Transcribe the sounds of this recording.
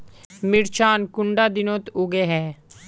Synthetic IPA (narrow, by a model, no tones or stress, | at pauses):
mɪɾt͡ʃaːnkʊɳɖaːd̪ɪnõːt̪ʊɡeːɦɛː